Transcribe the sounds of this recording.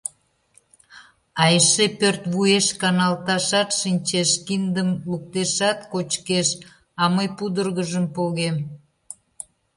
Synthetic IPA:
ɑjʃepørt̪βueʃkɑnɑlt̪ɑʃɑt̪ʃinʲt͡ɕeʃkind̪əmluk̚t̪eʃɑt̪kot͡ɕkeʃ | ɑməjpud̪ərɣəʒəmpoɣem

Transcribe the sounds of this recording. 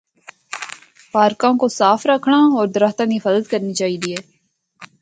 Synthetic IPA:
paːɾkãkosaːfɾəkʰɳaɔːɾd̪əɾaːxt̪ãnifəzəd̪kəɾnit͡ʃaːɦiːd̪iɛː

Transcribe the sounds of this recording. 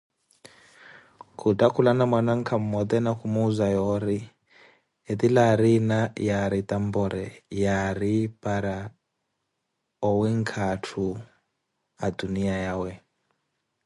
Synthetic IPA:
kʰutʼakʰulanamwanaŋ̩kʰam̩mɔd̪ɛnakʰumuːzajɔɾi | ed̪ilaɾinajaɾit̪ʼambɔɾɛjaɾipʼaɾa | ɔwiŋkʰatʰu | aduniajaːwɛ

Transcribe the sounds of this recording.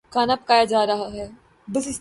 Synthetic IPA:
kaːnapɐ̥kaːjad͡ʒaːɾɐɦaɦɛː | bəsɪs

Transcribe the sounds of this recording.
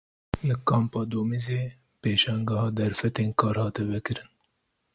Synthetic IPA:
lɨkɑːmpɑːd̪oːmizeː | peːʃɛŋɡɑhɑːd̪ɛɾfɛt̪eːnkʰɑːɾhɑːt̪ɛvɛkɨɾɨn

